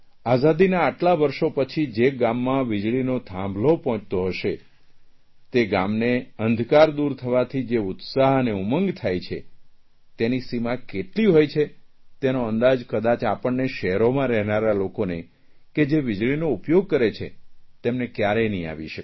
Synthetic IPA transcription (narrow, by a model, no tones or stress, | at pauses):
azad̪inaːʈlaʋəɾʃopət͡ʃʰid͡ʒeɡamːãʋɪd͡ʒɭinot̪ʰãmbʱlopɔɦɔ̃t͡ʃt̪oɦəʃe | t̪eɡamneənd̪ʱkaɾd̪uɾt̪ʰəʋat̪ʰid͡ʒeʊt̪saɦəneuməŋɡt̪ʰajt͡ʃʰḛ | t̪enisimakeʈliɦojt͡ʃʰe | t̪enoənd̪ad͡ʒkəd̪at͡ʃapəɳːeʃɛɦɾomãɾɛɦnaɾalokone | ked͡ʒeʋɪd͡ʒɭinoupjoɡ̚kəɾet͡ʃʰḛt̪emnekjaɾenəĩa̰ʋiʃək